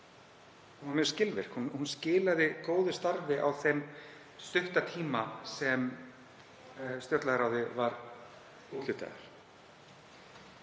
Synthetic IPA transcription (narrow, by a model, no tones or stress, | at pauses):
hunɛ̥scɪlvɪɾ̥hunhunscɪːlaðɪkoːwðʏst̪aɾvɪʔa̰wθem | st̪ʏht̪at̪ʰiːmasɛm | st̪jɔt̪laðɾawðɪvaɾ | ut̪lʏt̪a̰ɣa̰ɾ̥